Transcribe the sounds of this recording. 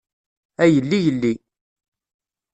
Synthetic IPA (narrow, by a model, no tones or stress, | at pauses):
æjəlːijəlːi